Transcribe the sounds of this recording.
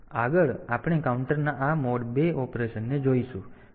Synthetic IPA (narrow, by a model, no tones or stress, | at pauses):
aɡəɭapɽ̃ekauɳʈəɾnaʔamɔɽbeɔpɾeʃənːed͡ʒoiʃũ